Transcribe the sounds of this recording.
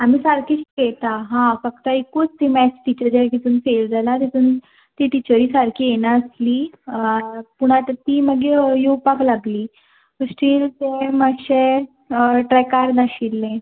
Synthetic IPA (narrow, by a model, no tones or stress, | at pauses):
am̤iːsaɾkiɕkɛt̪aɦãfəkt̪əikut͡st̪imɛt͡sʈit͡ɕəɾd͡ʑakit̪unfeld͡zalat̪it̪un | t̪iʈit͡ɕəɾiːsaɾkʰiːjenaəsliː | puɽ̃at̪ət̪iːməɡejupaklaɡliː | əsʈiːlt̪eməɕe | ʈɾɛkaɾnaɕilːẽ